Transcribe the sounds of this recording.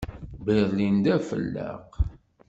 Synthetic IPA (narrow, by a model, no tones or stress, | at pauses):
bəɾlind̪æfə̰lːə̰q